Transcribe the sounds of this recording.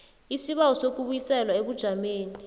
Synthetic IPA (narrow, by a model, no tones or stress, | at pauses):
isiɓawɔsok̬uɓujisɛlwaeɓud̥ʒ̥ʱameːnii